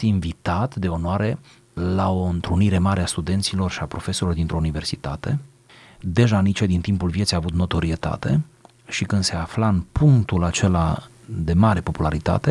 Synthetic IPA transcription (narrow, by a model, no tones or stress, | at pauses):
invit̪at̪d̪e̞o̞noaɾe̞ | lao̞ɨnt̪ɾuniɾe̞maɾeast̪ud̪e̞nt̪silo̞rʃiapɾo̞fe̞soilod̪int̪ɾo̞unive̞rsit̪a̰t̪e̞ | d̪e̞ʒanit͡ʃed̪int̪impulvje̞t̪sijaːvut̪no̞t̪o̞ɾie̞t̪a̰t̪e̞̰ | ʃikɨnd̪se̞aflaɨnpuŋkt̪ulat͡ʃe̞la | d̪e̞maɾe̞po̞pulaɾit̪a̰t̪e̞